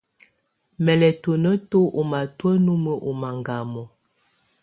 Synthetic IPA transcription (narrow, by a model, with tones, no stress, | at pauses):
mɛ˨lɛ˨tə˨nə˦to˦ʔo˨ma˨twə˦nu˦mə˦ʔo˨ma˨ŋɡa˨mɔ˨